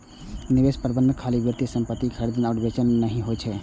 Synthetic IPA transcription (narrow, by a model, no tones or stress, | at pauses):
nɪʋeːspəɾbə̃nd̪ʱkʰaːlibjəɾt̪isə̃mpət̪ːikʰəɾd̪ənɔːɖbet͡ʃənːəɦĩɦot͡ʃʰɛ